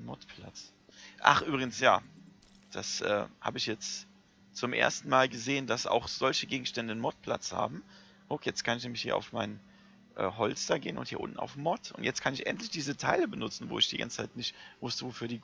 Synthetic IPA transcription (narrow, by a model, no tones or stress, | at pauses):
nmɔ̰tpʰl̥a̰t͡s | ʔa̰χʔyːbʁɪɡən̩sjaː | d̥a̰sʔɛ̰ːha̰ːbəɪçjɛt͡st | t͡sʊmʔḛɐstn̩maːlɡəzeːəndasa̰ʊxz̥ɔlçəɡeːɡŋ̩ʃtɛndənmɔt̚pl̥a̰t͡sha̰ːbm̩ | hokjɛt͡st̚kʰanɪçnɛːmlɪçhiːɐʔaʊfmaɪn | ʔɛ̰ːɦɔlt͡sd̥aɡeːənʊnthiːɐʊ̰ntn̩a̰ʊfmɔtʊ̰ntjɛt͡stkʰanɪçʔɛ̰ntlɪçd̥iːzətʰaɪləbənʊt͡sn̩vo̰ːɪçd̥iːɡa̰nt͡sə̥t͡saɪtnɪçtv̥ʊstəvofyːɐdiː